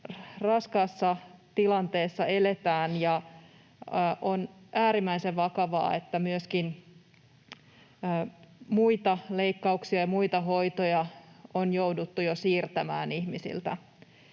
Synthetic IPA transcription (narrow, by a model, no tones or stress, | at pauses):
rɑskɑsːɑt̪ilɑnt̪eːsːɑelet̪æːnjɑ | ʔonʔæːɾimːæiseʋʋɑkɑʋɑ̰ːet̪ːæmyøskin | muit̪ɑleikːɑuksiɑjɑmuit̪ɑɦo̞it̪ojɑonjoudut̪ːujosiːrt̪æmæ̰ːnihmisḭlt̪æ